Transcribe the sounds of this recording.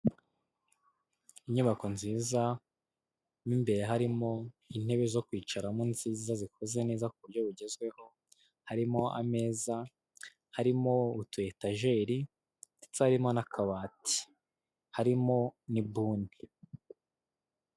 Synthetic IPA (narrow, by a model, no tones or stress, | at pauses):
iɲuβako̞nziːza | nimbe̞ɾe̞ɦaɾimo̞in̥e̞βe̞zo̞kwiːt͡ʃaɾamunziːzazikʰo̞ze̞ne̞ːzakuβuɾjo̞βuɟe̞zɡwe̞ho̞ | haɾimo̞a̰me̞ːza | haɾimo̞utue̞taʒe̞ːɾi | itaɾimo̞nakʰaβaːti̥ | haɾimo̞nibuːni